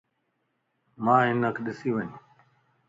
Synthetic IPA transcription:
mãːɦɪnəkʰɗɪsiːʋəɲũː

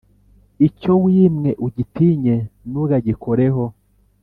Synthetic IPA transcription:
icowiːmŋe̞ʔuɟitiɲe̞nuɡaɟikʰo̞ɾe̞ɦo̞

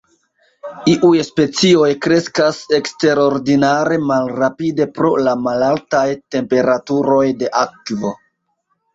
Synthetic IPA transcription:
iʔujspe̞t͡sio̞jkɾe̞skase̞kste̞ɾo̞ɾdinaɾe̞malɾapide̞pɾo̞lamalaltajte̞mpe̞ɾatuɾo̞jde̞ʔakvo̞

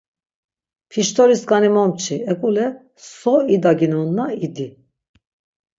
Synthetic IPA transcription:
fʰiʃt̪ʰɔɾiskanimɔmt͡ʃʰiɛkʼulɛ | sɔid̪aɡinɔnːaid̪i

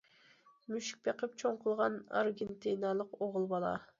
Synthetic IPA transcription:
myʃi̥k̚ʲpʰeqəp̚t͡ʃʰoŋqʰəlˠʁɑnɑ̰ɾɡʲent̪inɑlˠəqoʁʊlˠbɑlˠɑ̰

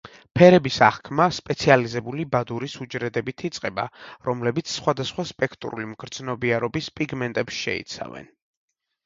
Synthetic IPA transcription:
pʰɛɾɛbisaχkʰmaspʼɛt̪sʰializɛbulibad̪uɾisud͡ʒɾɛd̪ɛbit̪ʰit̪sʼqʼɛba̰ɾɔmlɛbit̪sʰsχwad̪asχwaspʼɛkʰt̪ʼɾṵlimɡɾd̪z̥nɔbiaɾɔbispʼiɡmɛnt̪ʼɛpsʃɛ̰ḭt̪sʰa̰vɛ̰n

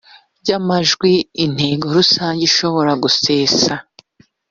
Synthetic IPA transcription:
ɟamaʒɡwiːn̥he̞ːɡo̞ɾusaːɲɟiʃo̞βo̞ɾaɡuseːsa

